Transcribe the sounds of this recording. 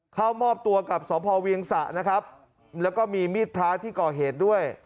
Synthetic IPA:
kʰa˥˩wmɔː˥˩p̚t̪u˧ɐka˨˩p̚sɔː˩˦pʰɔː˧wi˧əŋsa˨˩ʔna˦˥kʰa˦˥p̚ | lɛː˦˥wkɔː˥˩miː˧miː˥˩t̪̚pʰɾaː˦˥t̪ʰiː˥˩kɔː˨˩ɦeː˨˩t̪̚du˥˩əj

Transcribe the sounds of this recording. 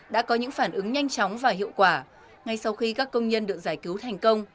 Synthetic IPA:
ɗa̰ː˧˥kɔ˨˦ɲɨ̰˧˥ŋfaː˧˩nʔɨ˨˦ŋɲa˧jŋ̟t͡ɕɔ˨˦wŋ͡mvaː˨˩hḭ˧˨əwkwaː˧˩ | ŋa˧jsa˧wxi˧kaː˦˥kːə˧wŋ͡mɲə˧nɗɨ˨˩ək̚zaː˧˩jki˨˦wt̪ʰɛ˨˩jŋ̟kə˧wŋ͡m

